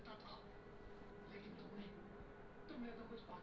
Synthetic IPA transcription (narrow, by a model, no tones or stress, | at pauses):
t̪at̪ʰa | leːkɪnt̪ʊmnɐ̃ĩ | t̪ʊmlek̪okʊt͡ʃʰpaː